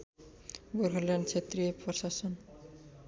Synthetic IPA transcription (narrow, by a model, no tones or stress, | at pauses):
ɡoɾɦʌljaɳɖt͡sʰet̪rijepʌsasʌn